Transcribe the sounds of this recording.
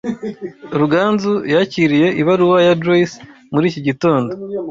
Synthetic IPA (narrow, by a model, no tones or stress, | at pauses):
ɾuɡaːnzujaciɾije̞ʔiβaɾuwajadɾois | muɾiːciɟito̞ːndo